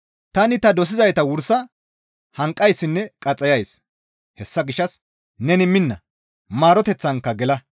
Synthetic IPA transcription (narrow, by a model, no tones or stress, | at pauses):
t̪ɐnɪt̪ɐd̪ɔs̬ɪzɐjt̪ɐwʊɾsɐ | hɐŋkʼːɐjsːɪnːɛkʼɐt͡sʼɐjɐjs | hɛsːɐɡɪʃːɐs | nɛnɪmːɪnːɐ | maːɾɔt̪ɛt͡sːɐŋkːɐɡɛlɐ